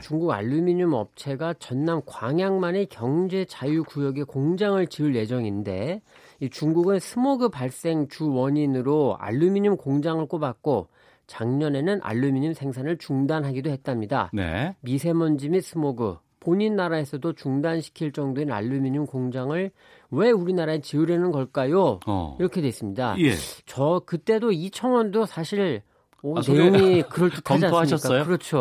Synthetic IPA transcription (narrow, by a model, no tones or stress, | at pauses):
t͡ɕuŋɡuɡa̰ɭːumiɲumʌ̰p̚t͡ɕʰe̞ɡat͡ɕʌnːamkwaŋjaŋmanekjʌŋd͡ʑe̞t͡ɕajukujʌɡe̞koŋd͡ʑaŋɯɭt͡ɕiɯɭje̞d͡ʑʌŋinde̞ | it͡ɕuŋɡuɡɯnsʰɯmoɡɯpaɭs͈e̞ŋt͡ɕuwʌɲinɯɾoa̰ɭːumiɲumkoŋd͡ʑaŋɯɭk͈obak̚k͈o | t͡ɕaŋɲʌne̞nɯnʔa̰ɭːumiɲumsʰe̞ŋsʰanɯɭt͡ɕuŋdanɦaɡidohe̞t̚t͈amɲida̰nḛmisʰe̞mʌnd͡ʑimis͈ɯmoɡɯ̰ | poɲinːaɾae̞sʰʌdot͡ɕuŋdanɕʰi̥kʰiɭt͡ɕ͈ʌŋdowena̰ɭːumiɲimkoŋd͡ʑaŋɯɭ | we̞uɾinaɾaet͡ɕiɯɾjenɯnɡʌɭk͈ajo̰iɾʌkʰe̞dwes͈ɯmɲida̰jḛt͡ɕʌkɯt͈e̞doit͡ɕʰʌŋwʌndosʰaɕʰiɭ | ne̞joŋikɯɾʌɭt͡ɕ͈ikʰad͡ʑansmk͈aɯɾʌt͡ɕʰo